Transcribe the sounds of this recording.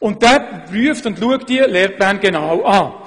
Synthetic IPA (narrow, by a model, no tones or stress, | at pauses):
ʊnt̚d̥ɛːpryəftʊntluəktdiəleːrplæːnɡenaːwaː